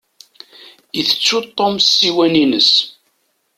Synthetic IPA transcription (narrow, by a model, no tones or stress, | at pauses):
əθə̥t͡sːut̪ˤːomsːiwæninəs